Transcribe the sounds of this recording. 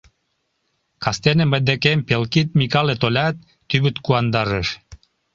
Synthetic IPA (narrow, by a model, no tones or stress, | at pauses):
kɑst̪enemə̆d̪ekempelkit̪̚mikɑlet̪olʲɑt̪̚ːyβɘt̪kuɑnd̪ɑɾəʃ